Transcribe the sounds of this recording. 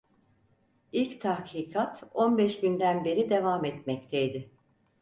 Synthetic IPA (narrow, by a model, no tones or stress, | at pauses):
ilʲct̪ʰahkʰiːkʰat̪o̞nbɛʃɟynd̪ænbe̞ɾid̪e̞vamɛt̪mɛct̪ʰeid̪ɪ